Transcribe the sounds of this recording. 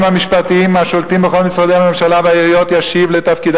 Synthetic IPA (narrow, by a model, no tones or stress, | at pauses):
mhamiʃpat̪iimaʃolt̪imbeχo̞lmisʁad̪ehame̞mʃalaveaiʁijo̞t̪jaʃivlet̪afkid̪